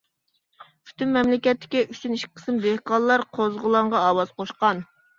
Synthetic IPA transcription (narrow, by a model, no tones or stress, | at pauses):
pʰy̥t̪ʰymːɛmlɪkʲɛt̪ːɪ̥kʲiʔyt͡ʃ̪yniʃkʲɪ̥qʰə̥smd̪ehkɑllˠɑɾqʰozʁʊlˠɑɴʁɑɑːwɑzqʰoʃqɑn